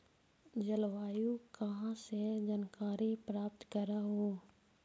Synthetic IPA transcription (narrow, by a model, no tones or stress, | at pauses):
d͡ʒəlwaːjukɐɦãsed͡ʒənkaːɾipɾaːp̚t̪kəɾaɦoː